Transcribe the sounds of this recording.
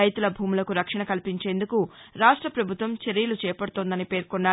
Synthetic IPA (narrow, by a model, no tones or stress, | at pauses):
ɐjt̪ulɐbʱuːmulɐkuɾɐkʂɐɳɐkɐlipiɲt͡ʃe̞ːnd̪ukuɾaːʂʈɾɐpɾɐbʱut̪ʋɐmt͡ʃeɾijulut͡ʃɛːjpɐɽut̪oːnd̪ɐnipe̞ːɾkonːaː